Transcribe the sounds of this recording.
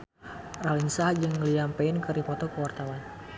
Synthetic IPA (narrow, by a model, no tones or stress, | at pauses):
ralinsahd͡ʒɨŋliampɛɪnkəɾdipɔt̪ɔkəwart̪awan